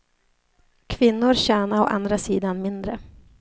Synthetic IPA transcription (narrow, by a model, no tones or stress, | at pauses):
kʰvɪnːʊɾɕɛːnaɔʔa̰nd̪ɾasiːd̪anmɪnd̪ɾə